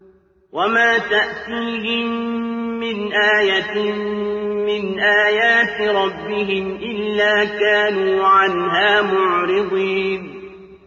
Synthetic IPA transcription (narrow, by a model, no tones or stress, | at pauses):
wamaːt̪aʔt̪iːɦɪmː | ɪnʔaːjat̪ | mɪnʔaːjaːt̪ɾˤɑbːɪɦɪmʔɪlːaːkaːnuːʕanɦaːmʊʕɾɪd̪ˤiːn